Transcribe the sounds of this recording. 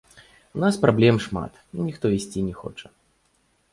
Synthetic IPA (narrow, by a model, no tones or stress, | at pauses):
unaspɾablʲɛmʂma̰t̪inʲixt̪ɔisʲt͡sʲinʲɛxɔ̰t͡ʂɐ̥